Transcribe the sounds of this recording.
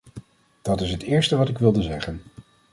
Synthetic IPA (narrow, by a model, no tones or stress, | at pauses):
d̥ɑtɪsɦətɪːɹstəʋɑtɪkʋɪlˠdəzɛχən